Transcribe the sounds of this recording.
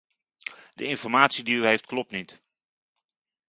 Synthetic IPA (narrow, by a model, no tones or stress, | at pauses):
dəɪnfɔrmaːtsidiyheftklɔp̚tnit